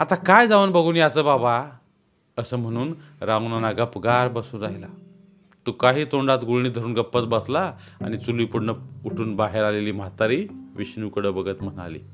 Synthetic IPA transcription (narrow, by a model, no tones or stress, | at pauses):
at̪akajd͡zaʋənbəɡʱuːnjat͡səːbaba | əsəːm̤əɽ̃uːnɾãnanaɡapɡaɾbəsuːnɾaɦila | t̪ukaɦiːt̪oɳɖat̪ɡuɭɳ̃iːd̪ʱəɾuːnɡəpːət͡s̪bəslaa̰ñit͡suliːpuɽnəuʈʰuːnbaɦeɾaleliːm̤at̪aɾiːʋiɕnukəɽəbəɡət̪m̤əna̰lḭː